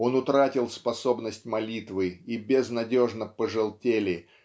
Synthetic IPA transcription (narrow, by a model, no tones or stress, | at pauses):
o̞nʊt̪ɾatʲɪlˠspɐso̞bnəsʲtʲmɐlʲit̪vɨibʲɪznɐdʲo̞ʐnəpəʐɨlˠtʲelʲɪ